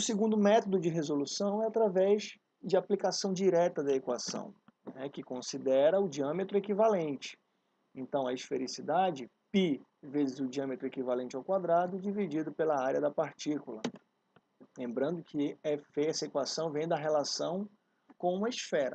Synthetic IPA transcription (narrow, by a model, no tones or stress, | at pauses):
ʊsɪɡũnd̪ʊmɛt̪od̪ʊd͡ʒɪɦezolusɐ̃w̃ɛat̪ɾavɛz | d͡ʒɪaplikasɐ̃w̃d͡ʒiɾɛt̪ɐd̪ɐekwasɐ̰̃w̃ | nɛkɪkõsid̪ɛɾɐʊd͡ʒiɐ̃met̪ɾʊekivalẽnt͡ʃɪ̥ | ẽnt̪ɐ̃w̃ɐisfeɾisid̪ad͡ʒɪ | pi | vezɪzʊd͡ʒiɐ̃met̪ɾʊekivalẽnt͡ʃɪawkwad̪ɾad̪ʊd͡ʒivid͡ʒid̪ʊpelɐaɾiɐd̪ɐpaɾt͡ʃikulɐ | lẽmbɾɐ̃nd̪ʊkʰɪɛɛsɐekwasɐ̃w̃vẽj̃d̪ɐɦelasɐ̃w̃ | kõũmɐisfɛɾɐ̰